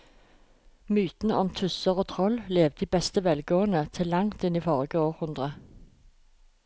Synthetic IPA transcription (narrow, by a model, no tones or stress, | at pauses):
myːt̪n̩əɔmt̪ʰʉsəʁoːt̪ʰʁɔlleːʋd̪iːbɛst̪əʋɛlɡoːənət̪ʰɪlːɑŋt̪ɪniːfɔʁɡəoːʁhʉnd̪ʁə